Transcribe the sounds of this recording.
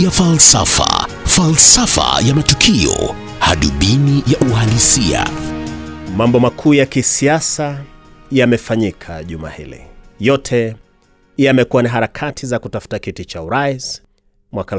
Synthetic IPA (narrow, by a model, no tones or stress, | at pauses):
jafalsa̰fa̰ | falsafa̰jamatukʰiɔ̰ | ha̰ɗuɓinijaʔuhalisia̰ | mambɔmakʰuːjakisiasajamɛfaɲikʰa̰ʄuma̰hḭlḭjɔtʰɛ | iamɛkuwaniɦaɾakʰatʰizakutafu̥takitit͡ʃauɾais | mwaka